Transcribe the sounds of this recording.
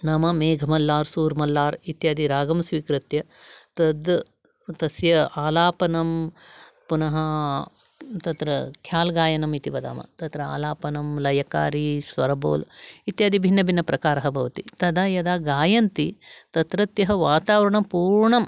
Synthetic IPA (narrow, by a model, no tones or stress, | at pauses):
naːmɐmeːɡʱɐmɐlːaːɾsuːɾmɐlːaːɾit̪jaːd̪iɾaːɡɐmsʋiːkɾɐt̪jɐ | t̪ɐd̪ | t̪ɐsjɐaːlaːpɐnɐm | punɐɦɐ | t̪ɐt̪ɾɐkʰjaːlɡaːjɐnɐmit̪iʋɐd̪a̰ːmɐ̰t̪ɐt̪ɾɐa̰ːlaːpɐnɐmlɐjɐka̰ːɾisʋɐɾɐboːlit̪jaːd̪ibʱinːɐbʱinːɐpɾɐkaːɾɐɦɐbʱɐʋɐt̪it̪ɐd̪aːjɐd̪aːɡaːjɐnt̪it̪ɐt̪ɾɐt̪jɐɦɐʋaːt̪aːʋɐɾɐɳɐpuːɾɳɐm